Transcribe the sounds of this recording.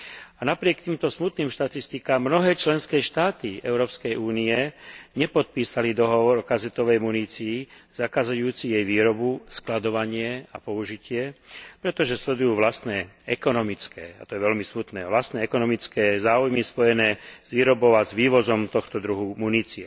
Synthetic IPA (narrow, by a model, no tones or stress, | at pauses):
anapɾɪɛkt̪iːmt̪ɔsmut̪niːmʃt̪at̪ist̪ikaːmːnɔɦɛːt͡ʃlɛnskɛːʃt̪aːt̪iɛ̰ʊɾɔːpskɛjʔuːniɛɲɛpɔt̪̚piːsalid̪ɔɦɔʋɔɾɔkazɛt̪ɔʋɛjmuniːt͡siːz̥akaːzajuːt͡sijɛjʋiːɾɔbusklad̪ɔʋaɲɪɛa̰pɔuʒicɪɛpɾɛt̪ɔʒɛslɛd̪ujuːʋlast̪nɛːɛkɔnɔmit͡skɛ̰ːa̰t̪ɔjɛʋɛlmismut̪nɛːʋlast̪nɛːɛkɔnɔmit͡skɛːzaːujmispɔjɛnɛːz̥ʋiːɾɔbɔʊazʋiːʋɔzɔmt̪ɔxt̪ɔd̪ɾuɦumuniːt͡siɛ